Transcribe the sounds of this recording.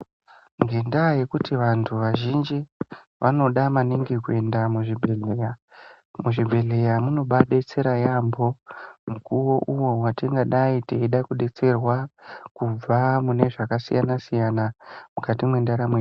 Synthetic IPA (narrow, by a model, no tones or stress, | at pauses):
ŋɡe̞ndaje̞kutiʋantʰuʋaʒind͡ʒi | ʋʔano̞ɗamaniŋɡikue̞ndamuʐibʱee | muʐibʱe̞le̞jamuno̞ɓaɗet͡se̞ɾajambo̞mukuwo̞ʔuwo̞watiŋɡaɗaiteiɗakuɗe̞t͡se̞rwakub͡vamune̞ʐakasijanasijanamukatimwe̞ndaɾamwe